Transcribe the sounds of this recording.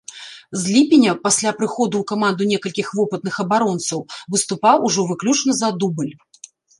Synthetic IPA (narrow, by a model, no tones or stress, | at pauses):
zʲlʲipʲinʲɐpasʲlʲapɾɨxɔd̪uːkamand̪unʲɛkɐlʲkʲixvɔpɨt̪nɨxɐbaɾɔnt̪sɐwvɨst̪upawuʐɔvɨklʲut͡ʂnɐzɐd̪ubɨlʲ